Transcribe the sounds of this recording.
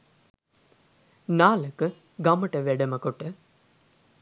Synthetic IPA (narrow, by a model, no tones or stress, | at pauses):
naːləkə | ɡɐmɐʈəʋɛɖɐməkoʈə